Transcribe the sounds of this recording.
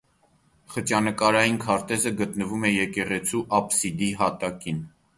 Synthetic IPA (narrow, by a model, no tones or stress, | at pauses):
χət͡ʃjɑnəkɑɾɑjinkʰɑɾt̪ɛzəɡət̪nəvumɛjɛkɛʁɛt͡sʰuʔɑpsid̪iɦɑt̪ɑkin